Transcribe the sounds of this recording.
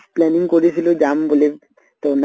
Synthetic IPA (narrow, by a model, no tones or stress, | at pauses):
plɛniŋkoɾet͡ɕʰilod͡ʑambole | t̪on